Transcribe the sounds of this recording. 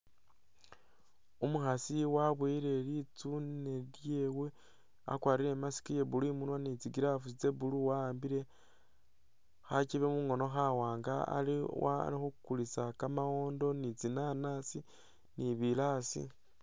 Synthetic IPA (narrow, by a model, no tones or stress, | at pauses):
umuxasiwaβwiːɾe̞lit͡suneɾjeːwe | a̰kwaːɾiɾe̞masi̥kije̞βulimunwanit͡siɡiɾafut͡se̞βuluwaaːmbiɾe̞ | xaciβemuŋo̞no̞xawaːŋɡaa̰liwa̰ɾixukkulit͡sakamao̞ːndo̞nit͡sinanasi | niβilasḭ